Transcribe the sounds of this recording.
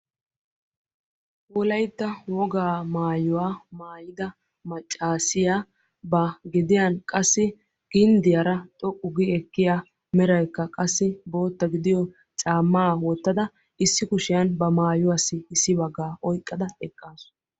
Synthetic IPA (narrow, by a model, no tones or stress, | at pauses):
wɔlɐjt̪ːɐwɔɡaːmaːjʊwaːmaːjɪd̪ɐ | mɐt͡ʃʼːaːsɪja | bɐɡɪd̪ɪjɐnkʼɐsːɪ | ɡ̥ɪnd̪ɪjɐɾɐt̪ʼɔʔʼʊɡɪɛkːɪjaː | mɛɾɐjkːɐkʼɐsːɪbo̞ːt̪ːɐɡɪd̪ɪjɔ | t͡ʃʼaːmːaːwɔt̪ːɐd̪ɐ | ɪsːɪkʊʃɪjɐnbɐmaːjʊwasːɪɪsːɪbɐɡːaːʔɔjkʼːɐd̪ɐɛkʼːaːsʊ̥